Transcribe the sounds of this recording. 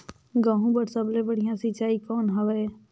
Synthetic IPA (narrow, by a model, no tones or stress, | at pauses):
ɡãːɦũbəʈsəblẽbəɽ̤ijãsit͡ʃaːikɔːnɦɐʋɛe